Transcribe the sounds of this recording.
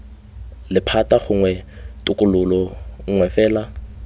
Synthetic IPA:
lɪpʰataχʊŋwɛ | tʼʊkʼʊlʊlɔŋ̩ŋwɛfɛːla

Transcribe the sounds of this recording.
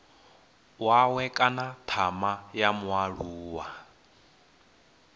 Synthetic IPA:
wawɛkʼanatʰamajamwaɺ̤uuːwa

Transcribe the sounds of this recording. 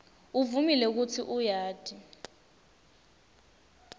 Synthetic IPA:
uvumilɛk̬ut͡sʰiʔujaːd̥ʱi

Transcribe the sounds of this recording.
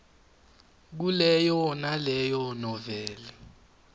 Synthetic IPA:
k̬ulɛjɔnalɛjɔnɔvɛːlɛ

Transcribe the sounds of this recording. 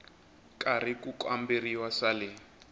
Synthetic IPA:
kʼarikʼukwamberiwasalɪ

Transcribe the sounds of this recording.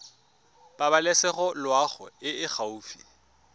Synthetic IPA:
b̥abalɛsɛχɔlwaχʊ̰ɪɪχauːfḭ

